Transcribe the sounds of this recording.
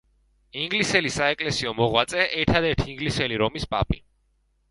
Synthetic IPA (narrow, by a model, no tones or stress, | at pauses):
iŋɡlisɛlisaɛkʼlɛsiɔmɔʁwat̪sʼɛʔɛɾt̪ʰad̪ɛɾt̪ʰiːŋɡlisɛliɾɔmispʼa̰pʼi